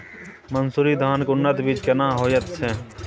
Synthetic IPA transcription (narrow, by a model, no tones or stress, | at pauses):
mənsuːɾiːd̪ʱaːnkʊnːət̪bit͡ʃkənãːɦoːjət̪t͡ʃʰeː